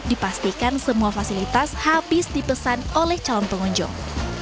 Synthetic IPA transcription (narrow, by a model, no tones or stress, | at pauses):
dipast̪ikansəmuafasilit̪ashabɪsdipəsanolɛht͡ʃalɔnpəŋɔɲd͡ʒɔ̰ŋ